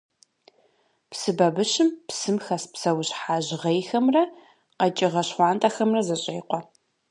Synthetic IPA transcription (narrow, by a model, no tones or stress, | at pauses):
psɨbɐbɨɕɪmpsɨmxɐspsɐwɕħaːʑʁejxɐmrɐ | qɐt͡ʃʼɪʁɐɕχʷɑːntʼɐxɐmrɐzɐɕʼejqʷɔ